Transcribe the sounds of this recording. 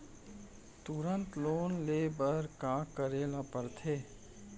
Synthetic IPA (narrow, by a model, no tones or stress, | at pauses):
t̪ʊɾə̃nt̪loːnleːbəɾkaːkəɾeːlapəɾt̪ʰeː